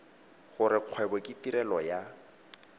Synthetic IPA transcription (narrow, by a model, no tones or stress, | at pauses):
ɣʊɾɪq͡χʰwɛbɔkʼɪtiɾɛlɔja